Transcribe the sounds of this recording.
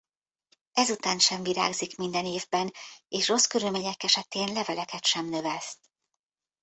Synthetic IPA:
ɛzut̪aːnʃɛɱviɾa̰ːɡzikmind̪ɛneːvbɛneːʃro̞skøɾylmeːɲɛkɛʃɛt̪eːnlɛvɛlɛkɛt̪ʃɛmnø̞vɛst̪

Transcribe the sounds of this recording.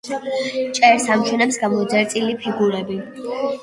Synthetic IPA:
t͡ʃʼɛɾsamt͡ʃʰwɛnɛpsɡamɔd̪zɛɾt̪ʼilipʰiɡuɾɛbi

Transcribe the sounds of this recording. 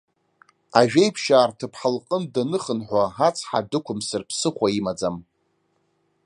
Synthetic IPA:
aʒᶣejpʰʃaːrtʰɨpʰħalqʼəndanɨχənħʷaɦat͡sʰħa̰dɨkʷʊmsɨrpʰsɨχʷaimad͡zam

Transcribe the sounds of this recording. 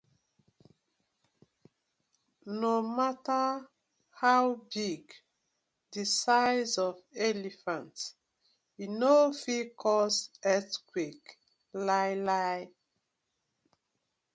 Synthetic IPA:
nomata | hawbiɡ | disaɪzɔvɛlifãnt | inofikʰɔsɛtkwik | lajlaj

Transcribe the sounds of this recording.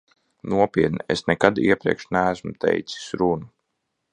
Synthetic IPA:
nuɔpiɛt̪̚nɛḛsnɛkad̪iɛpɾiɛkʃnæːsmut̪ɛ̰jt̪si̥sɾunu

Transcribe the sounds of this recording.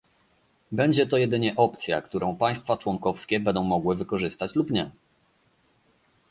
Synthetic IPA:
bɛɲd͡ʑɛt̪ɔjɛd̪ɘɲɛʔɔpt̪sʲja̰kt̪uɾɔ̃w̃paj̃st̪fat͡ʂwɔŋkɔfskʲɛbɛnd̪ɔ̃w̃mɔɡwɘvɘkɔʐɘst̪at͡ɕlupɲɛ

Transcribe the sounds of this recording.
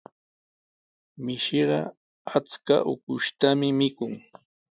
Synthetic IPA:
mɪʃeɢɑ̰ | at͡ska̰ʔʊ̰kʊʃt̪amɪmɪkʊŋ

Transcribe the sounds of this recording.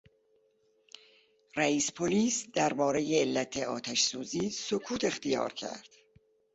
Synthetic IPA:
ræiːspʰoliːsd̪æɾbɒːɾe̞jeːlːæt̪ʰe̞ɒːt̪ʰæʃsuːziːsokʰuːt̪ʰe̞xt̪ijɒ̰ːɾcʰæ̰ɾd̪̥

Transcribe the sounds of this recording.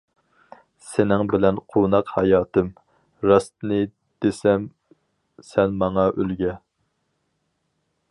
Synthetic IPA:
sɪnɪŋbɪlɛnqʰonɑqhɑjɑːt̪ʰɨm | ɾɑst̪ɨnɨ | d̪̥esɛm | sɛnmɑŋɑʔølɡʲɛ

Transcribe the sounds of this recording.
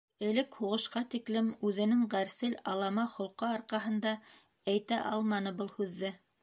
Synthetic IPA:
ɘ̆lɘkhuʁɤ̆ʃqɑt̪iklɘmʉðɘ̆nɘŋʁæɾsɘlɑlˠɑmɑχŏlˠqɤɑɾqɑɦɤ̆nd̪ɑ | æjt̪æʔɑlˠmɑnɤbɤlˠhʉðːɘ

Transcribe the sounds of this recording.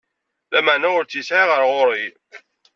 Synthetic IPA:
læməʕnæʊɾt͡sːjəsʕiʁəɾʁʊɾˤi

